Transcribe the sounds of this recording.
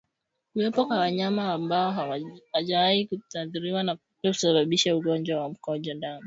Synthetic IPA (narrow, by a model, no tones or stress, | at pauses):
kuwɛpɔkwawaɲamaːmbaɔhaʄawaikutaðuɾiwana | usaɓaɓiʃauɠɔnd͡ʒwawam̩kɔaʄandani